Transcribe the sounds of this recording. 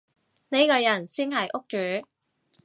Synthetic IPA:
ne˨˥jkɔː˧jɐ˨˩nsiː˥nɦɐ˨jʔʊ˥k̚t͡ʃyː˨˥˦

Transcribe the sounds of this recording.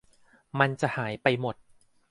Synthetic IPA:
ma˧nt͡ɕa˨˩ʔhaː˩˦jpa˧jmo˨˩t̪̚

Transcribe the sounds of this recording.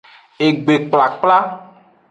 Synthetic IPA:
e˨ɡ͡be˨k͡pla˨k͡pla˦

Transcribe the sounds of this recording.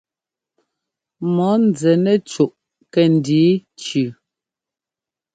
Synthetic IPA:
mɔ˨˦n˨d͡zɛ˨nɛ˦t͡ʃu˨ʔ | kɛ˨n˨diː˨˦t͡ʃʉ˨

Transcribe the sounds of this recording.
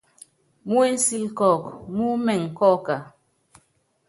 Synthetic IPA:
mu˦e˦n̩˦si˦lkɔ˦˨kmu˦mɛ˨ŋ̩˨kɔ˦˨ka˨

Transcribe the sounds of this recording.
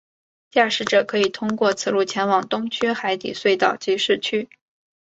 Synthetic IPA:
t͡ɕja˥˩ʂɻ̩˧˥ʈ͡ʂɤ˨˩kʰɤ˧˥i˨˩t̪ʰʊ˥ŋkwɔ˥˩t͡sʰɹ̩˧˩lu˥˩t͡ɕʰjɛ˧˥nwɑ˨˩ŋt̪ʊ˥ŋt͡ɕʰɛ˥xa˧˥ɪt̪ḭ˨˩swe˥˧ɪt̪ɑ˥˩ʊt͡ɕi˧˥ʂɻ̩˥˩t͡ɕʰy˥

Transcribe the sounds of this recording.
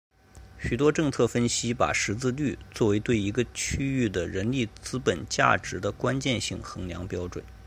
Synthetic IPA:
ɕy˨˩t̪wɔ˥ʈ͡ʂɤ˥˧ŋt͡sʰɤ˥˩fə˥nɕi˥pa̰˨˩ʂɻ̩˧˥t͡sɹ̩˥˧ly˥˩t͡swɔ˥˩we˧˥ɪt̪we˥˩ɪi˧˥ɡə˧t͡ɕʰy˥y˥˩d̪ə˩ɻə˧˥nli˥˩t͡sɹ̩˥pə˨˩nt͡ɕja̰˥˩ʈ͡ʂɻ̩˧˥d̪ə˧kwa˥nt͡ɕjɛ˥˧nɕi˥˩ŋxɤ˧˥ŋljɑ̰˧˥ŋpjɑ˥ʊʈ͡ʂwə̰˨˩˦n

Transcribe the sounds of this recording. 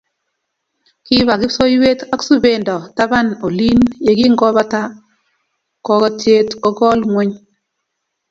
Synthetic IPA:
kɪ˦βa˨ɡɪ˦so˦jwe˦ta˦ksu˦be˨ndɔ˨ta˦ba˦˨no˨li˦nje˨ɡɪ˦ŋɡɔ˦ba˦ta˦ | kɔ˦kɔ˦tje˦tɔ˦ɡɔ˦lŋwɛ˦ɲ

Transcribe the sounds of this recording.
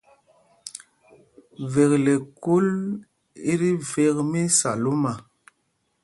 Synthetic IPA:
ve˨kle˨ku˦l | i˦ɾi˦ve˦kmi˦sa˨lu˦ma˨

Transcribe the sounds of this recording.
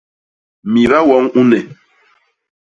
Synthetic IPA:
mi˨ɾa˦wɔ˨˦ŋu˦nɛ˨

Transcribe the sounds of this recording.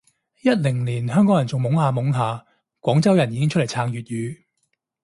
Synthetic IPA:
jɐ˥t̚lɪ˨˩ŋliː˨˩nhœː˥ŋkɔː˨˥jɐ˨˩nt͡sʊ˨ŋmʊ˨˥ŋhaː˨˧mʊ˨˥ŋɦaː˨˧ | kwɔː˨˥ŋt͡sɐ˥wjɐ˨˩njiː˨˥ɪ˥ŋt͡ʃʰtle˨˩jt͡sʰaː˨˧ŋjyː˨t̚jyː˨˧

